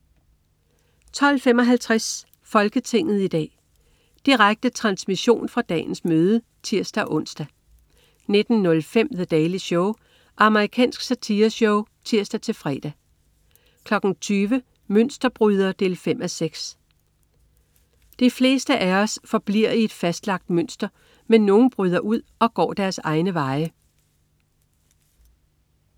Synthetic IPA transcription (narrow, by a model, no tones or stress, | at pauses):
t͡sʰɒ̽l̰fem̰ɒ̽ɦælt͡sʰʁas | fɒ̽lɡ̥ət͡sʰe̝ŋ̰ð̞̩ˠid̥ɛ̰ː | d̥iʁaɡ̥̚d̥ət͡sʰʁɑ̈nsmiɕo̝̰ːnfʁɑ̈d̥ɛ̰ːn̩smøːð̞ˠə | t͡sʰiɐ̰sd̥æʔɔ̽n̰sd̥æ | ne̝d̥n̩ːɔ̽lfem̰ðəd̥ɛːliɕɔʊ | ʔɑ̈məʁikʰɛ̰ːnsɡ̥sæt͡sʰiːɐɕɔʊt͡sʰiɐ̰sd̥æt͡sʰe̝lfʁɛːd̥æ | kʰlɒ̽ɡ̥n̩t͡sʰyːʋə | møn̰sd̥ɐb̥ʁyːð̞ˠɐd̥e̝̰ːlfem̰æseɡ̥s | d̥ifle̝ːsd̥əʔæɒ̽sfɒ̽b̥liɐ̰ie̝d̥fæsd̥lɑ̈ɡ̥̚d̥møn̰sd̥ɐ | menːo̝ːn̩b̥ʁyðˠɐʔuð̞̰ˠɒ̽ɡ̥ɒ̰ːd̥æɐsɑ̈ɪnəʋɑ̈ɪə